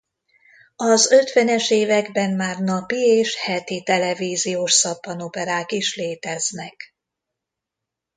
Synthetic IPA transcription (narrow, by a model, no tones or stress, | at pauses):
ɒzø̞t̪ʋɛnɛʃeːvɛɡbɛmmaːrnɒpieːʃhɛt̪it̪ɛlɛviːzijoːʃsɒpːɒnopɛɾaːkiʃleːt̪ɛznɛk